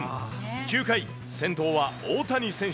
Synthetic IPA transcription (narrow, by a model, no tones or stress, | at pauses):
kʲɨːkai | sẽ̞nt̪o̞ːβaoːt̪aɲ̟isẽ̞ɰ̃